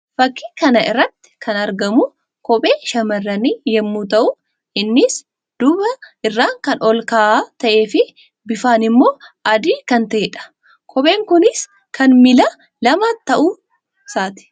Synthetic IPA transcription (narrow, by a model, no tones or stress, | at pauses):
fɐkːiːkɐnɐɪ̰rːɐt̪ːɪ̥kʰɐnɐɾɡɐmʊ | kʰɔbʼe̞ːʃɐmɐrːɐniːjɛmːuːt̪ɐʔʊ | ʔɪnːɪs | d̪̥ʊbɐʔɪrːaːŋkɐnʔɔlkaːʔaːt̪ɐʔe̞ːfɪ | bɪfaːnɪmːo̞ːʔɐd̪iːkɐnt̪ɐɛːᶑɐ̥ | kʰɔbe̞ːŋkʊnɪs | kʰɐnmɪlɐ | lɐmaːt̪ːɐʔu | saːt̪ɪ̥